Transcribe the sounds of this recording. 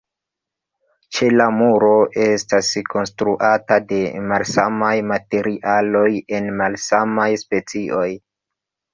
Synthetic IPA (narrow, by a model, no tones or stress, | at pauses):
t͡ʃe̞lamuɾo̞ʔe̞stasko̞nstɾuʔatade̞malsamajmate̞ɾiʔalo̞je̞nmalsamajspe̞t͡siʔo̞j